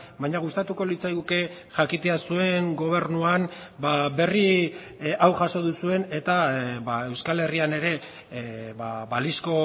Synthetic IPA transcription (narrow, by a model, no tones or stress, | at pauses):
bajɲaɣ̞ust̪at̪uko̞lit͡sajɣuke̞ | ʝakit̪e̞asue̞ŋɡo̞β̞e̞ɾnuanbabe̞ri | awʝaso̞ð̞usue̞ne̞t̪aβae̞wskale̞riane̞ɾe̞ | βabalisko̞